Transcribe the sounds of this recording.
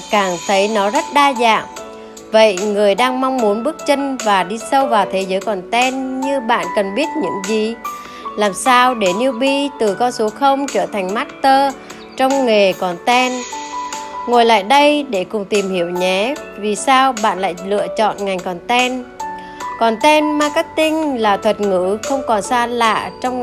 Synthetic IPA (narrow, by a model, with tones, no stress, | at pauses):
kaː˧˩ŋt̪ʰə˨˦jnɔ˨˦zə˦˥t̚ɗaː˧za̰ː˧˨m | və̰˧˨jŋɨ˨˩əjɗaː˧ŋma˧wŋ͡mmu˨˦nɓɨ˦˥ək̚t͡ɕə˧ŋvaː˨˩ɗi˧sə˧wvaː˨˩wt̪ʰe˨˦zəː˨˦jkɔ˨˩nt̪ɛ˧nɲɨ˧ɓa̰ː˧˨nkə˨˩nɓi˦˥ət̚ɲɨ̰˧˥ŋzi˨˩ | laː˨˩msaː˧wɗe˧˩ni˧əwɓi˧t̪ɨ˨˩kɔ˧nsu˨˦xə˧wŋ͡mt͡ɕəː˧˩t̪ʰa˨˩jŋ̟maː˦˥t̚t̪əː˧ | t͡ɕɔ˧wŋ͡mŋe˨˩kɔ˨˩nt̪ɛ˧n | ŋo˨˩jla̰ː˧˨jɗə˧jɗe˧˩kʊ˨˩ŋ͡mt̪i˨˩mhi˧˩əwɲɛ˨˦vi˨˩saː˧wɓa̰ː˧˨nla̰ː˧˨jlɨ̰˧˨ət͡ɕɔ̰˧˨nŋa˨˩jŋ̟kɔ˨˩nt̪ɛ˧n | kɔ˨˩nt̪ɛ˧nmaː˧ka˦˥k̚t̪ï˧ŋlaː˨˩t̪ʰwə˨˩t̚ŋɨ̰˧˥xə˧wŋ͡mkɔ˨˩nsaː˧la̰ː˧˨t͡ɕɔ˧wŋ͡m